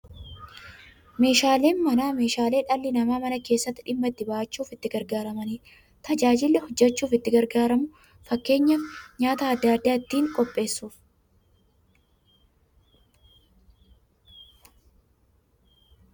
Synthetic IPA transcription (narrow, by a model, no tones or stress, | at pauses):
me̞ːʃaːle̞ːnmɐnaːme̞ːʃaːle̞ːᶑɐlːɪnɐmaːmɐnɐke̞ːsːɐt̪ːɪᶑɪmːɐɪt̪ːɪbaʔɐt͡ʃːuːfɪt̪ːɪɡɐɾɡaːɾɐmɐni | t̪ɐd͡ʒaːd͡ʒɪlːɛhɔd͡ʒːɛt͡ʃːuːfɪt̪ːɪɡɐɾɡaːɾɐmʊ | fɐkːe̞ːɲːɐfɲaːt̪ɐːd̪ːad̪ːaːɪt̪ːiːŋkʼɔpʼːe̞ːsːuːf